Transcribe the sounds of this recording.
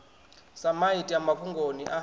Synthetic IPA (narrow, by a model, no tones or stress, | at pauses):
samaitʼiamakʰuŋɡʱoniʔa